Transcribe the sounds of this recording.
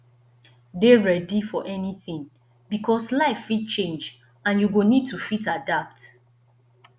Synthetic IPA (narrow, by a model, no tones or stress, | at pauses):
deɹɛdifɔʔɛniθɪ̃ŋ | bikʰɔslaɪfːit̚t͡ʃẽnd͡ʒ | ãnjuɡonid̚tufitadap̚t